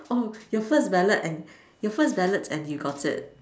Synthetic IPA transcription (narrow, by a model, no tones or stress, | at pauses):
ʔojɔfəsbɛlətɛ̃n | jɔfəsbɛlətʰɛ̃njuɡɔtʰɪ̰t̚